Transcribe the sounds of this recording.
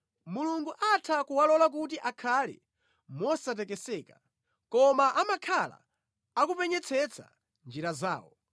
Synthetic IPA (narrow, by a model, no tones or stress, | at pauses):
muluŋɡuʔatʰakuwalɔlak̬ut̬iʔakʰalɛ̰ | mɔsat̬ɛkɛsɛːka | kɔmaʔamakʰala̰ | akupɛɲɛt͡sʰɛt͡sʰa̰ | nd͡ʒiɾaza̰ːwɔ